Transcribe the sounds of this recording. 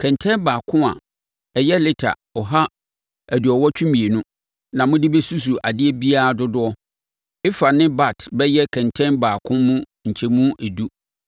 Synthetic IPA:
kʰɛ̃˨ntʰɛ̃˦nbaː˨kʰʊ̃˦a̰˨ | ɛ˨jɛ˦lɪ˦tʰa̰˨ | ɔ˨ɦa˦ | æ˨du˨ɔ˨wɔ˦t͡ɕʰᶣũ˦mĩ˨e˨nʊ̃˦ | nã˨mʊ̃˦dɪ˦be˦su˦s̬u˨ʔa̰˨dɪ˦e˦bi˦a˦a˨dʊ˦dʊ˦ɔ˦ | ɪ˦fa˨nɪ̃˦ba˦˨tʰbɛ˦jɛ˦kʰɛ̃˨ntʰɛ̃˦nbaː˨kʰʊ̃˦mũ˦ | ɲ̩˨t͡ɕʰɛ˦mũ˦ʔæ˨du˦

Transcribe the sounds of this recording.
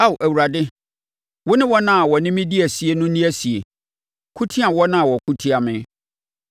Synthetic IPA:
a˦˨wu˨ʔæ˨wu˨ɾa˨dɪ˦ | wʊ˦nɪ̃˦wɔ˦nã˦a˨wɔ˨nɪ̃˦mɪ̃˦di˦æ˨si˨e˨nʊ̃˦nĩ˦æ˦si˨ḛ˨ | kʰu˦tʰi˦a˨wɔ˦nã˦a˨wɔ˨kʰu˦tʰi˦a˨mɪ̃˦

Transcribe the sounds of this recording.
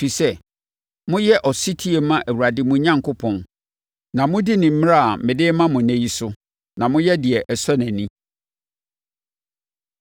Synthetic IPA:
fi˨sɛ˦ | mʊ̃˦jɛ˦ʔɔ˨si˦tʰi˦e˨mã˦ʔæ˨wu˨a˨dɪ˦mʊ̃˦ɲã˦ŋkʰʊ˦pʰɔ̃˨n | nã˨mʊ̃˦dɪ˦nɪ̃˨m̩˦m˦a˦a˨mɪ̃˨dɪ˦mã˦mʊ̃˨næ̃˦ji˦sʊ˦ | nã˨mʊ̃˦jɛ˦dɪ˨ɛ˨ʔɛ˨sɔ˦næ̃˨nĩ˦

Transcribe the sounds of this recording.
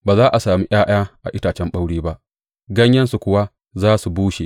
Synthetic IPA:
baː˨zaː˦ʔa˨saː˨mi˦ʔj̰aː˦j̰aː˦ʔa̰˨ʔɪ˦taː˨t͡ʃɛ˦mɓa˦wɽeː˦ba˦ʔ | ɡɐ˦ɲjɐ˦nsu˨kʷʊ˦wa˦ | zaː˦su˨buː˦ʃe˨

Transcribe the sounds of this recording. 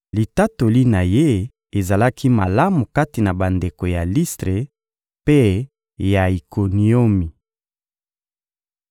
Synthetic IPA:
li˨ta˦to˨li˦na˨je˦ | e˨za˨la˦ki˦ma˨la˦mu˨ka˦ti˨na˨ba˨nde˨ko˨ja˨li˦stʁe˨ | pe˦ | ja˨i˨ko˨ni˨o˦mi˨

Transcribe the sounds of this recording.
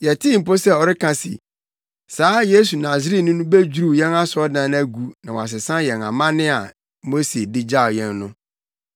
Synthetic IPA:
jɛ˨tʰi˦˨m̩˨po˦sɛ˦ɔ˨ɾɪ˦kʰã˨sḭ˨ | saː˨˦je˦su˨nã˨s̬i˨˦ɾi˦nʊ̃˦nʊ̃˦be˦d͡ʑu˦ɾu˦˨jɛ̃˦na˦sɔ˦dã˨n˦æ˦ɡu˨nã˨wa̰˨s̬ɪ˨sã˦jɛ˨nã̰˨mã˦nɪ̃˦a˨ | mo˦se˨dɪ˦d͡ʑa˦˨o˨jɛ̃˦nːʊ̃˦

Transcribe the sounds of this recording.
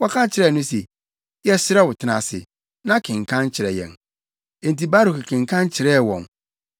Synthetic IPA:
wɔ˦kʰã˦t͡ɕʰɪ˨ɾɛ˦˨nʊ̃˦sɛ˨ | jɛ˦sɪ˦ɾɛ˦wʊ˨tʰɪ˦nã̰˨sɪ̰˨ | nã˦kʰɪ̃˨ŋkʰã˦n˦t͡ɕʰɪ˨ɾɛ˨jɛ̰̃˨n | e˨n˨ti˨ba˦ɾʊ˨kɪ˨kʰɪ̃˨ŋ˨kʰã˦n˦t͡ɕʰɪ˨ɾɛ˦˨wɔ̰̃˨n

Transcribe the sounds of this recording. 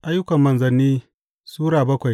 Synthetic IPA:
ʔa˦jːʊ˦kɐ˨mːɐ˨nzɐ˨nːiː˦ | suː˦ɽaː˨bɐ˦kʷa˨

